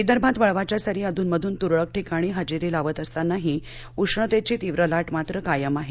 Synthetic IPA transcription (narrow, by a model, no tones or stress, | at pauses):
id̪əɾbʱãt̪ʋəɭʋat͡ɕjasaɾiːəd̪ʱuːnməd̪ʱuːnt̪uɾɭək̚ʈʰikaɽ̃iːɦəd͡ʑiɾilaʋət̪əst̪anaɦi | uʂɳət̪et͡ɕiːt̪iʋɾəlaʈmat̪ɾəkajəmaɦe